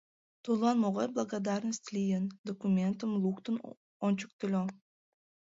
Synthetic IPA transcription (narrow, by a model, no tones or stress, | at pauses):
t̪ulˠɑnmoʁaɾblˠɐɡad̪aɾnəsʲt̪lʲijənd̪okumʲent̪ɨmlˠukt̪ɨn | ont͡ʃuk̚t̪ɪlʲo